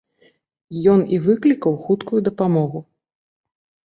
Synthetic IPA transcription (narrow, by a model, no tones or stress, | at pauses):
jɔnivɨklʲikɐwxut̪kujud̪ɐpamɔɣu